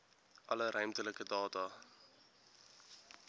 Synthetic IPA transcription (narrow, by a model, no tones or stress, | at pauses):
ʔɐləɾœɥmtələkədɑːtɑ